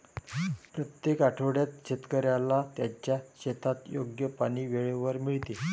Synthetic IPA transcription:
pɾət̪jekaʈʰəʋɽjat̪̚ɕet̪kəɾjalat̪jat͡ɕjaɕet̪ʰat̪joɡjəpaɽ̃iːʋeɭeʋəɾmiɭt̪e

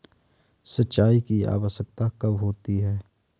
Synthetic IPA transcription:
sətːʃaːikia̰ːʋəʃək̚t̪akɐʋɦoːt̪iɦɛː

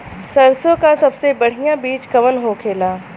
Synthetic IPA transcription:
sɐɾsõkasɐbsebɐɽ̤ijãbiːt͡ʃkɐʋənɦokʰeːlaː

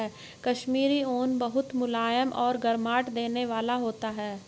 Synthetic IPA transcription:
ɛː | kɐʃmiːɾioːnbɐɦʊt̪mʊlaːjəmʔɔːɾɡɐɾmaːʈd̪eːneʋaːlaɦoːt̪aɦɛː

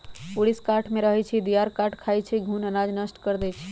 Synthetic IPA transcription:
puɽiskaʈʰmeɾəɦɛt͡ʃʰid̪ijaɾkaʈkʰajt͡ʃʰiɡʱunənad͡ʒnəsʈkəɾd̪ɛt͡ʃʰi̥

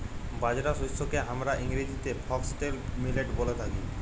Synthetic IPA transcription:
bad͡ʑɾasosokeɦamɾaʔiŋɾid͡ʑit̪epʰɔksʈelmileʈbolet̪ʰaki

